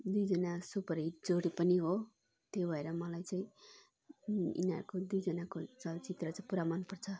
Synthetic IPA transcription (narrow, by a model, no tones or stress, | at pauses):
d̪ujd͡zʌnasupʌɾiʈd͡zoɽipʌniɦo | t̪jobʱʌeɾʌmʌlajt͡saĩ | ḭna̰ɾkod̪ujd͡zʌnakot͡sʌt͡sit̪rʌt͡sãpuɾamanpʌrt͡sʰʌ